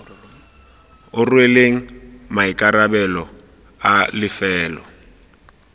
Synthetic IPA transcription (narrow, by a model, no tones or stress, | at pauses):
ʊrweleŋ̩maɪkʼarabɛlɔ | alɪfɛːlɔ